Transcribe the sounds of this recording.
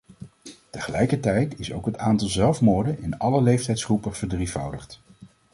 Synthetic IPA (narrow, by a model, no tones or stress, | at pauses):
təχəlɛjkəɹtɛjtɪso̰wkɦətaːntɑlˠzɛlˠfmoːɹdənɪnɑləlejftɛjtsχrupəv̥əɹdrifɑwdəχt